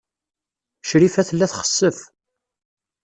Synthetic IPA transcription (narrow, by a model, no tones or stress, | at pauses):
ʃɾifæθəlːæθχə̥sːəf